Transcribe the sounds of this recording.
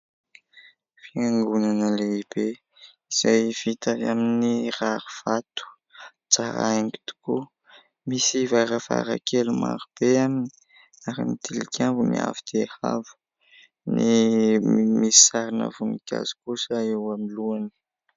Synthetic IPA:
fiaŋɡunanəleib̥e | iz̥ajv̥it̪avaminiraɾuv̥at̪u̥ | t͡saɾa̰aŋɡi̥t̪u̥ku | misivaɾəva̰ɾa̰kʰeluma̰ɾub̥eamini̥ | aɾḭmit̪ʰilikʰʲambumia̰vid̪̥eha̰vu̥ | ni | misi̥saɾinə̰vunikʲa̰zi̥kusəewamiluani̥

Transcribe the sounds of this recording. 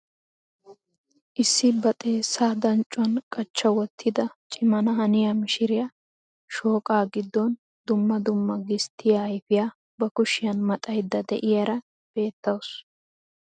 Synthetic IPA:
ʔɪsːɪbɐt̪ʼe̞ːsːaːd̪ɐnt͡ʃʼːʊɐnkʼɐt͡ʃːɐwɔt̪ʰːɪd̪ɐt͡ʃʼɪmɐnɐɦɐnɪjamɪʃɪɾɪjɐ | ʃo̞ːkʼaːɡɪd̪ːɔn | d̪ʊmːɐd̪ʊmːɐɡɪst̪ʰːɪjaɐjfɪjaː | bɐkʊʃɪjɐnmɐt̪ʼɐjd̪ːɐd̪ɛ̰ʔɪjɐɾɐ | b̥e̞ːt̪ːɐwʊs

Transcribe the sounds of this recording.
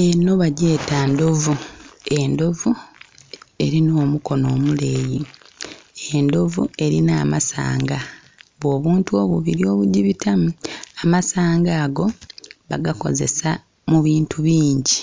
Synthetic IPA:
eno̞βaɟe̞ːtando̞vue̞ndo̞vu | e̞ɾinoːmuko̞no̞ːmuleːji | endo̞vṵe̞ɾinaːma̰sa̰ːŋɡa | βwo̞ːβuːntuo̞βuβiɾio̞ːβuɟiβitamuamasaːŋɡaːɡo̞βaɡako̞̰zḛsa | muβiːntuβiːɲɟi

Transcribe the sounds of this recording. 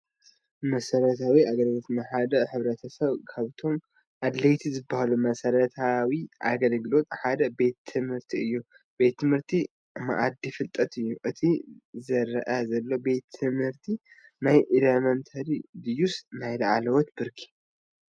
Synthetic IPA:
mɐsɐɾɐt̪ʰawiaɡɐlɡlo̞t̪nɨħad̪ɐħɨβɾɐt̪ʰɐsɐβkʰaβt̪ʰo̞m | ʔad̪lɐjt̪ʰizɨbːahalumɐsɐɾɐt̪ʰawiʔa̰ɡɐlɡlo̞t̪ħad̪ɐbe̞t̪ʰːɨmhɨɾt̪ʰiɨjːu | b̥e̞t̪ːɨmhɨɾt̪ʰi | ma̰ʔad̪ifɨlt̪ʼɐt̪ɨjːuʔɨt̪ʰizɐɾɐʔɐzɐlːo̞be̞t̪ʰːɨmhɨɾt̪ʰi | najʔɨlɐmɐnt̪ʰɐɾid̪ɨjusnajlɐʕalɐwot̪bɨɾkʰi̥

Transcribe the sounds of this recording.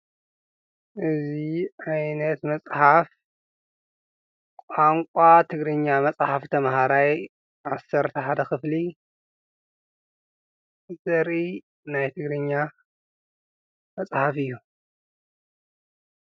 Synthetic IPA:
ʔɨziʔajnɐt̪mɐt͡sʼħaf | kʼaŋkʷʼat̪ʰɨɡɾɨɲːamɐt͡sʼħaft̪ʰɐmhaɾaj | ʔasːɐɾt̪ʰɐħad̪ɐxɨfli | zɐɾʔi | najt̪ʰɨɡɾɨɲːa | mɐt͡sʼħafɨjːu

